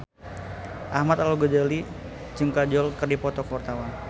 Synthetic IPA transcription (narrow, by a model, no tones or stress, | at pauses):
ʔahmat̪aluɡəd͡ʒali | d͡ʒɨŋkad͡ʒɔlkərdipɔt̪ɔkwart̪awan